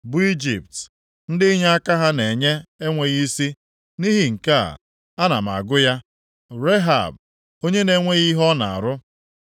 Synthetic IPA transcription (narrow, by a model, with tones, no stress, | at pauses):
bʊ˨i˦d͡ʒḭ˨p̚t | n̩˦dɪ˦i˦ɦe˦a˦ka˦ɦa˦ne˨ɲe˦e˦ŋʷe˨ɣi˦si˦ | ni˦ɦi˨ŋ̩˨ka̰˦˨ | a˦na̰˨m˨a̰˨ɡʊ˦ja˦ | ɾe˦ɦa̰˨b̚ | o˦ɲe˦ne˦ŋʷe˦ɣi˦ɦɔ˦na˨a̰˨ɾʊ˦